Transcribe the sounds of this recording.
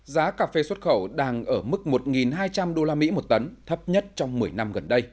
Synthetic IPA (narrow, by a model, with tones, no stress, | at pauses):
zaː˨˦kaː˨˩fe˧swə˦˥t̚xə˧˩wɗaː˧ŋʔəː˧˩mɨ˦˥k̚mo˨˩t̚ŋi˨˩nɦaː˧jt͡ɕa˧mɗo˧laː˧mḭ˧˥mo˨˩t̚t̪ə˨˦nt̪ʰə˦˥p̚ɲə˦˥t̚t͡ɕɔ˧wŋ͡mmɨ˨˩əjna˧mɣə˨˩nɗə˧j